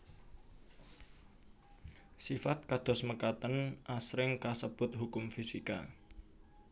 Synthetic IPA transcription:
sifat̪̚kad̪̥ɔ̤sməkat̪ənʔasɾɪŋkasəb̥ʊ̤t̪̚ɦukʊmfisika̰

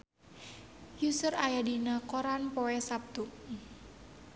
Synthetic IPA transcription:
jusərajadinakoɾanpoɛsap̚t̪u

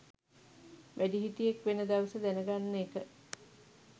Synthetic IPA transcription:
ʋʔæɖiɦit̪ijekʋenəd̪aʋəsəd̪ænəɡanːeːkə

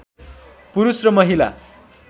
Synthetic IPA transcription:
puɾusrʌmʌɦila̰

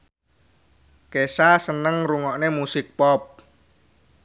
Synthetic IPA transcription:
kesasənəŋruŋɔʔnemusɪk̚pɔp̚

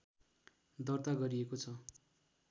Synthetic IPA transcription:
d̪ʌrt̪aɡʌɾiekot͡sʰʌ

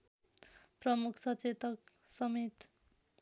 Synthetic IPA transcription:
prʌmukʰsʌt͡set̪ʌk̚ | sʌmet̪

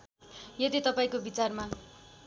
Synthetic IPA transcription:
jʌt̪it̪ʌpaĩkobit͡sarma

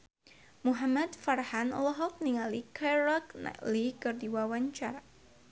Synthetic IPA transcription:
muɦamat̪farhanlɔɦɔk̚niŋalikʰaɾakna̰likɨrdiwawaɲt͡ʃaɾa

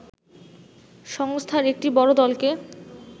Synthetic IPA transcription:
ʃɔŋst̪ʰaɾek̚ʈibɔɾod̪ɔlke

